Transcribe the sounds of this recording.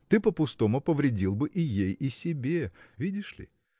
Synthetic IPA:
t̪ɨpəpʊst̪o̞mʊpəvɾʲɪdʲilˠbɨʔɪjejisʲɪbʲevʲidʲɪʂlʲɪ̰

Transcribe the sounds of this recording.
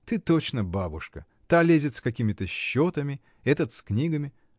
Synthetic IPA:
t̪ɨt̪ot͡ɕnəbabʊ̰ʂkə̰ | t̪alʲezʲɪt̪skɐkʲimʲɪt̪əɕːo̞t̪əmʲɪ | ɛt̪ət̪sknʲiɡəmʲɪ

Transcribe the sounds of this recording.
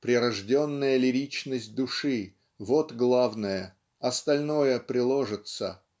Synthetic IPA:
pɾʲɪɾɐʐdʲo̞nːəjəlʲɪɾʲit͡ɕnəsʲt̚ʲd̪ʊʂɨ | vo̞t̪ɡlˠavnəjə | ɐst̪ɐlʲno̞jəpɾʲɪlˠoʐɨt̪sə̰

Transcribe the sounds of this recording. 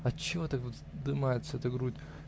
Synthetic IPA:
ɐt͡ɕːɪvo̞t̪akʋot̪d̪ɨmajɪt̪səɛt̪əɡɾutʲ

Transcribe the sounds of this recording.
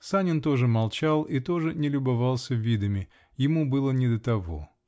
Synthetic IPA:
sanʲɪnt̪o̞ʐɨmɐlˠt͡ɕalˠit̪o̞ʐɨnʲɪlʲʊbɐvalˠsʲəvʲid̪əmʲɪ | jɪmubɨlˠənʲɪd̪ət̪ɐvo̰

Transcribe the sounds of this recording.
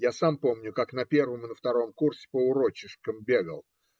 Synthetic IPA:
jasampo̞mnʲʊkaknɐpʲe̞rvəmɨnəft̪ɐɾo̞mkursʲɪ̥pəʊɾo̞t͡ɕɪʂkəmbʲeɡə̰lˠ

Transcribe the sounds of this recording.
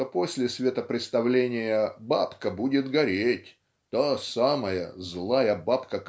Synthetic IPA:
oposʲlʲɪsvʲet̪əpɾʲɪt̪st̪ɐvlʲenʲɪjəbapkəbudʲɪt̪ɡɐɾʲetʲ | t̪asaməjə̰zlˠajəbapkək

